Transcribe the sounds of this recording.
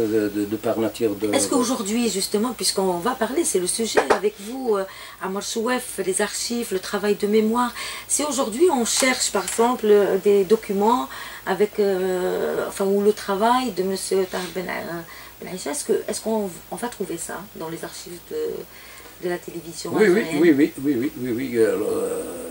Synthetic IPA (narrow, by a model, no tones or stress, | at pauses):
d̪əd̪əpaʁmat̪ʰjɛʁd̪əɛskəoʒuʁd̪ɥiʒyst̪əmɑ̃pɥiskɔ̃vapaʁlesɛləsyʒɛavɛkvuø | amaɾswɛflezaʁʃivlət̪χavajd̪əmemwaːʁsioʒuʁd̪ɥiɔ̃ʃɛʁʃpaʁɛɡzɑ̃pld̪ed̪ɔkʰʲymɑ̃avɛkø | ɑ̰̃fɛ̃ulət̪χavajd̪əməsjət̪aʁilbɛnb̥ɛnʕiʃaɛskəɛskɔ̃ɔ̃vat̪χuvesa̰d̪ɑ̃lezaʁʃivd̪ə | d̪əlat̪elevizjɔ̃wiwiwiwiwiwiwiwialɔʁ